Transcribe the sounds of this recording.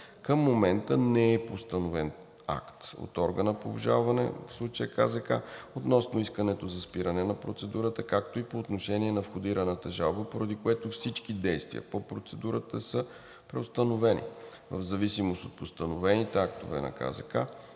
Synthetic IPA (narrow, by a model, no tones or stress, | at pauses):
kəmːomɛnt̪ənɛːpost̪ənovɛn | a̰kt̪o̰t̪ɔɾɡənəpoːbʒa̰lˠvɐnɛ̰fslˠut͡ʃəjəkazəka̰ot̪nɔsnʊiskənɛt̪ozɐspiɾənɛnɐpɾot̪sɛd̪uɾət̪əkak̚t̪oipoːt̪noʃɛniɛnɐfxʊd̪iɾənət̪əʒalˠbəpoɾɐd̪ikoɛt̪ofsit͡ʃkid̪ɛjst̪vḭə̰popɾot̪sɛd̪uɾət̪əsə | pɾɛost̪ənovɛnḭ | və̰vzɐvisimost̪ot̪̚post̪ənovɛnit̪ɛak̚t̪o̰vɛ̰nɐ̰ka̰zɐka